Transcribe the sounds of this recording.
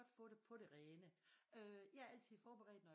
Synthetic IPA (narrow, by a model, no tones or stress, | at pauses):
ɒd̥fɔ̰̽ːd̥epʰɒ̽ɾ̥e̝ʁɛːnəøjɑ̈æɐæl̰t͡sʰið̞̰ˠfɒːb̥e̝ʁɛ̰ːd̥nɒ̽j